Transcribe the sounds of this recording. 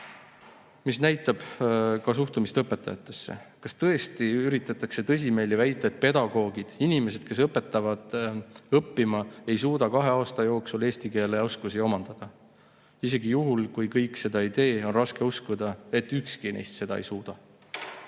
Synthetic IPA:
misnæjt̪ːˑɑb̥kɑs̬uht̪umist̪ɤpːˑe̞t̪ːˑɑjɑt̪ːˑe̞sːḛkɑst̪ɤ̞est̪iyɾit̪ːˑɑt̪ːˑɑkse̞t̪ɤ̞s̬ʲime̞ːlivæjt̪ːˑeet̪̚ˑpe̞d̪̥ɑɡ̥o̞ːɡ̥id̪̥inime̞se̞d̪̥ke̞s̬ɤpːˑe̞t̪ːˑɑvɑd̪̥ɤpːimɑe̞jsuːd̪̥ɑkɑɦe̞ɑːst̪ɑjo̞ːksule̞ːst̪ike̞ːleo̞skusio̞mɑnd̪̥ɑd̪̥ɑ | ise̞ɡijuɦulkujkɤjkˑse̞d̪ɑid̪e̞ːo̞nrɑske̞uskud̪̥ɑe̞t̪ːykskinejst̪se̞d̪̥ɑ̰ejsuːd̪̥ɑ

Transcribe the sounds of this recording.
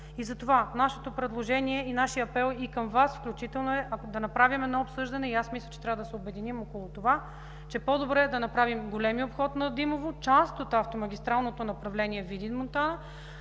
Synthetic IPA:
izɐt̪ovanaʃɛ̥t̪opɾɛd̪lˠoʒɛniɛinaʃijəɐpɛlˠikɐmvasfklʲut͡ʃit̪ɛlˠnoɛʔɐkd̪ɐnɐpɾavʲimɛd̪nɔopsɤʒd̪ɐnɛiasmislʲɐt͡ʃɛt̪ɾavəd̪ɐsɛobɛd̪inimokolˠot̪ova | t͡ʃɛpɔd̪obɾɛɛd̪ɐnɐpɾavimɡolɛmiopxɔt̪nɐd̪imovot͡ʃast̪ot̪aft̪omɐɡʲist̪ɾalˠnot̪onɐpɾɐvlɛnʲiɛvid̪inmont̪anə

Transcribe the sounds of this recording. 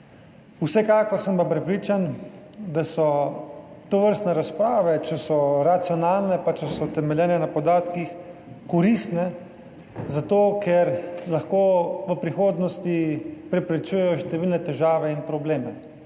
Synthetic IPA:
usɛkaːkɔɾsəmpapɾɛpɾiːt͡ʃan | d̪asɔ | t̪oʋəɾst̪nɛɾaspɾaːʋɛt͡ʃɛsɔɾat̪siɔnaːlnɛpat͡ʃɛsɔt̪ɛmɛljɛːnɛnapɔd̪aːt̪kix | kɔɾist̪nɛ | zat̪oːkɛɾlaxkoːʋəpɾixoːd̪nɔst̪ipɾɛpɾɛt͡ʃuːjɛjɔʃt̪ɛʋiːlnɛt̪ɛʒaːʋɛinpɾɔbleːmɛ

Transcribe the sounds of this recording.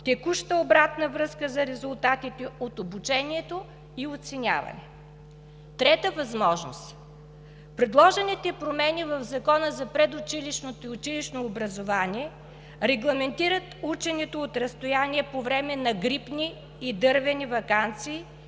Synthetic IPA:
t̪ɛkuʃt̪əobɾat̪nəvɾɤskəzɐɾɛzʊlˠt̪at̪it̪ɛot̪obut͡ʃɛniɛt̪o | iot̪sɛnʲa̰vɐ̰nɛ | t̪ɾɛt̪əvɐzmɔʒno̰st̪ | pɾɛd̪lˠɔʒɛnit̪ɛpɾomɛnivɐvzɐkɔnəzɐpɾɛd̪ʊt͡ʃiliʃnot̪ʊt͡ʃiliʃnoːbɾɐzovanʲiɛ | ɾɛɡlˠɐmɛnt̪iɾət̪ut͡ʃɛnɛt̪oot̪ɾɐst̪ojaniɛpovɾɛmɛnɐɡɾipniː | d̪ɤɾvɛnivɐkant̪siː

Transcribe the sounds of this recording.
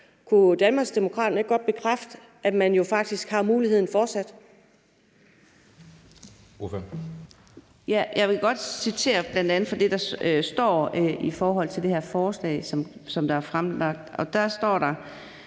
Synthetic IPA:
kʰud̥ænmɑ̈ːɡsd̥e̝mo̝kʰʁɑ̰ːd̥ɐne̝ɡ̥ɒ̽d̥̚b̥e̝kʰʁafd̥ə | ʔæ̥mænjo̝fɑ̈ɡ̥̚d̥isɡ̥hɑ̈muːlihe̝ð̞̰ˠn̩fɒ̥ːsæd̥ | of | jæjʔɑ̈ɪʋe̝ɡ̥ɒ̽d̥sit͡sʰe̝̰ːɐb̥lænd̥ænð̩ˠfɒ̽d̥e̝d̥ɑ̈sd̥ɒ̰ːifɒːɦɒ̽l̰t͡sʰe̝ld̥e̝hæɐ̰fɒːslɛ̰ɪsɒm | sɒ̽md̥ɑ̈æɐfʁamɑ̈ɡ̥̚d̥ɒ̽d̥æɐsd̥ɒ̰ːɾ̥ɑ̈

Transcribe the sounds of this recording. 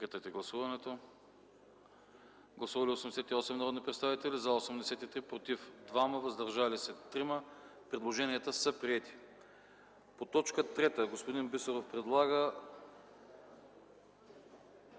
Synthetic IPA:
kit̪ət̪ɛɡlˠɐsuvɐnɛt̪o | ɡlˠɐsuvɐlʲiosɛmd̪ɛsɛt̪iɔsɛmnɐɾɔd̪nipɾɛt̪st̪avit̪ɛlizɐosɛmd̪ɛsɛt̪it̪ɾipɾot̪ifd̪vaməvɐzd̪ɐɾʒalisɛt̪ɾiməpɾɛd̪lˠoʒɛniət̪əsɐpɾiɛt̪i̥ | pot̪ɔt͡ʃkət̪ɾɛt̪əɡospod̪inbisoɾofpɾɛd̪lˠaɡə

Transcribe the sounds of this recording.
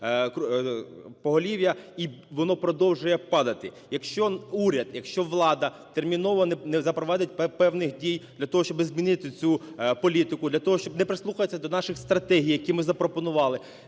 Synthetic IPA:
k | pɔɦɔlʲiʋʲjɐi | ʋɔnɔpɾɔd̪ɔwʒʊjɛpɑd̪ɐt̪ɪ | jɐkʃt͡ʃɔuɾʲɐd̪jɐkʃt͡ʃɔʋlˠɑd̪ɐt̪ermʲinɔʋɔnɛnɛzɐpɾɔʋɑd̪ɪt̚ʲɛpɛwnɪxdʲijd̪̥lʲɐt̪ɔɦɔʃt͡ʃɔbɪzmʲinɪt̪ɪt͡sʲupɔlʲit̪ɪkʊd̪lʲɐt̪ɔɦɔʃt͡ʃɔbnɛpɾɪslˠuxɐjet͡sʲːɐd̪ɔnɑʃɪxst̪ɾɐt̪ɛɦʲijːɐkʲimɪzɐpɾɔpɔnʊʋɑlˠɪ

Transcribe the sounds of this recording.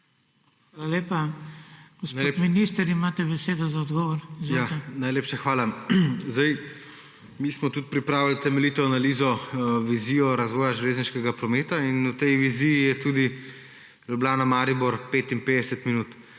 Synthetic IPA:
xʋaːlaleːpa | ɡ̥ɔsot̪minist̪əɾimaːt̪ɛbɛseːd̪ɔzaɔd̪ɡɔʋɔɾzujanajleːpʃaxʋaːlazd̪aj | mismɔt̪ut̪̚pɾipɾaːʋilt̪ɛmɛlit̪ɛanalizɔʋizijɔɾazʋɔːjaʒleːzniʃkɛɡapɾɔmeːt̪ainut̪ɛjʋizijijɛt̪ud̪i | lublaːnamaːɾibɔɾpeːt̪impeːd̪ɛsɛt̪minuːt̪

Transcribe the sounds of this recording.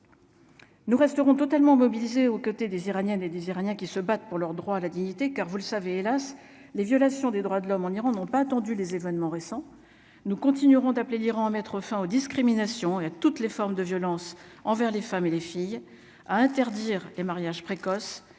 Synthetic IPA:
nuʁɛst̪əʁɔ̃t̪ɔt̪almɑ̃mɔbilizeokot̪ed̪eziʁanjɛned̪eziʁanjɛ̃kʲisəbat̪̚puʁlœʁd̪ʁwaːlad̪iɲit̪ekaʁvuləsaveːlas | levjɔlasjɔ̃d̪ed̪ʁwad̪əlɔmɑ̃niʁɑ̃nɔ̃paːt̪ɑ̃d̪ylezevɛnmɑ̃ʁesɑ̃ | nukɔ̃t̪inyʁɔ̃d̪apleliʁɑ̃amɛt̪χəfɛ̃od̪iskχiminasjɔ̃eat̪ut̪lefɔʁmd̪əvjɔlɑ̃sɑ̃vɛʁlefamelefij | aɛ̃t̪ɛʁd̪iʁlemaʁjaʒpχekɔs

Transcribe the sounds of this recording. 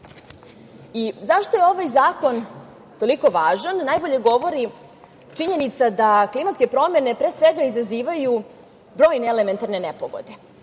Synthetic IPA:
izaʃt̪ojeo̞ʋajzaːko̞n | t̪o̞liko̞ʋaːʒanːaːjbo̞ʎe̞ɡo̞ʋo̞ɾi | t͡ʂiɲe̞nit̪sad̪aklimat̪skepɾo̞me̞ne̞pɾeːsʋeɡaizaziːʋaju | bɾo̞ːjneeleme̞nt̪aɾne̞nepoʋo̞̰d̪e̞

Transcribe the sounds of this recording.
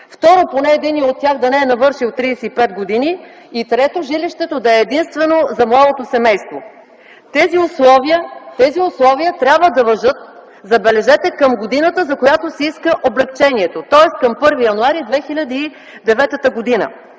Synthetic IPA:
ft̪ɔɾoponɛːd̪iniot̪ʲːjaxd̪ɐnɛːnɐvɤɾʃilˠt̪ɾisɛipɛd̪ɡod̪ini | it̪ɾɛt̪oʒiliʃt̪ɛt̪od̪ɐɛːd̪inst̪vɛnozɐmlˠad̪ot̪osɛmɛjst̪vo | t̪ɛziʊslˠɔvijət̪ɛziʊslˠɔviət̪ɾʲjabvəd̪ɐvɐʒɤt̪̚ | zɐbɛlɛʒɛt̪ɛkɐmɡod̪inət̪əzɐkojat̪osɛiskəʔoblɛkt͡ʃɛniɛt̪ot̪ɔɛskɐmpɤɾvijɐnuaɾid̪vɛxilʲɐd̪iː | d̪ɛvɛt̪ət̪əɡod̪inə̰

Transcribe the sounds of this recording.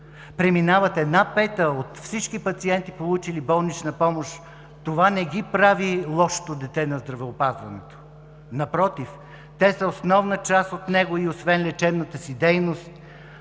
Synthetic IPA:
pɾɛminavɐt̪ɛd̪napɛt̪əot̪fsit͡ʃkipɐt̪siɛnt̪ipolˠut͡ʃilibɔlˠnit͡ʃnɐpɔmoʃ | t̪ovanɛɡʲipɾavilˠɔʃo̥t̪od̪ɛt̪ɛnɐzd̪ɾɐvɛopazvɐnɛt̪o̥ | nɐpɾɔt̪if | t̪ɛsəosnɔvnət͡ʃast̪ot̪nɛɡoiosvɛnlɛt͡ʃɛbnət̪əsid̪ɛjnost̪̚

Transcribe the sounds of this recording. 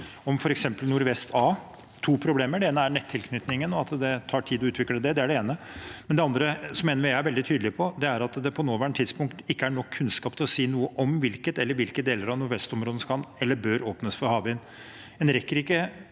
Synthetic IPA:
ɔmfɔɾɛksɛmpəlnʊɾʋɛst̪ʰɑː | t̪ʰuːpʰɾʊbleːməɖɛeːnəæɳɛt̪ʰːɪlkʰnʏt̪nɪŋənɔɑt̪d̪ɛt̪ʰɑːʈʰiːd̪ɔʉːt̪ʰʋɪkləd̪ɛd̪ɛæɖɛeːnəmɛnd̪ɛɑnd̪ɾəsɔmeːnəʋɪjæɪæɾʋɛld̪ɪt̪ʰyːd̪lɪpʰɔd̪ɛæɾɑt̪d̪ɛpʰɔnoːʋæːɳət̪ʰɪd̪spʊŋkt̪ɪkːəæɳɔkʰːʉnskɑːp̚t̪ʰɪlɔsiːnuːəʔɔmʋɪlkət̪ɛlːəɾʋɪlkəd̪eːləɾɑʋnʊɾʋɛst̪ɔmɾoːd̪əəskɑnɛlːəɾbøːɾoːpnəsfɔɾhɑːbɪn | ɛnɾɛkːəɾɪkːə

